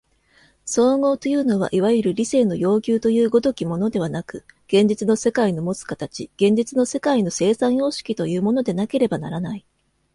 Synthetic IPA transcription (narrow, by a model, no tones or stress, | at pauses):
so̞ːŋo̞ːt̪o̞jɯ̟ːno̞β̞a̰ʔiβaɯɾɯ̟ɾʲise̞ːno̞jo̞ːkʲɨːt̪o̞jɯ̟ːɡo̞d̪okʲimo̞no̞d̪e̞β̞anakɯ̟ɡ̥ẽ̞ɲ̟d͡ʑit͡sɨno̞se̞kaino̞mo̞t͡sɨ̥kat̪at͡ɕiɡ̥ẽ̞ɲ̟d͡ʑit͡sɨno̞se̞kaino̞se̞ːsãɰ̃jo̞ːɕi̥kʲit̪o̞jɯ̟ːmo̞no̞d̪e̞nake̞ɾe̞banaɾanai